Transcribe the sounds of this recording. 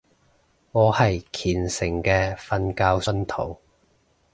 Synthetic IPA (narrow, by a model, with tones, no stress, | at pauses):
ŋɔː˨˧hɐ˨jkʰiː˨˩nsɪ˨˩ŋkɛː˧fɐ˧nkaː˧wsɵ˥nt̪ʰo˨˩w